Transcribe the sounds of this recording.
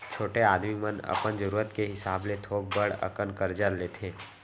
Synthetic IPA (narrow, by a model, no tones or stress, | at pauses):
t͡ʃʰoːʈeaːd̪mimənɐ̰pənd͡ʒəɾuːɾət̪keɦɪsaːblet̪ʰoːɡ̚bəɽə̰kənkəɾd͡ʒəɾleːt̪ʰẽː